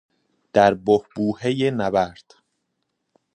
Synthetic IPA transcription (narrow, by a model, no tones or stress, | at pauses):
d̪̥æɾbohbuːhejenæbæɾd̪̥